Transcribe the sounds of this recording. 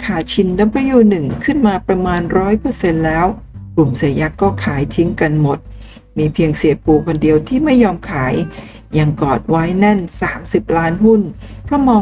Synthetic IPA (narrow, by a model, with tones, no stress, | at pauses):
kʰaː˨˩t͡ɕʰi˧nna˦˥pʰɾa˦˥juː˥˩nɯ˨˩ŋkʰɯ˥˩nmaː˧pɾa˧maː˧nɾɔː˦˥jpɤː˧se˧nlɛː˦˥wklu˨˩msi˨˩˦əja˦˥kːɔː˥˩kʰaː˩˦jt̪ʰi˦˥ŋka˧nmo˨˩t̪̚ | miː˧pʰi˧əŋsi˨˩˦əpuː˨˧˩kʰo˧ndi˧əwt̪ʰiː˥˩ma˥˩jːɔː˧mkʰaː˩˦j | ja˨˧˩ŋkɔː˨˩t̪̚wa˦˥jna˥˩nsaː˩˦msi˨˩p̚laː˦˥nhu˥˩n | pʰɾɔ˦˥mɔː˧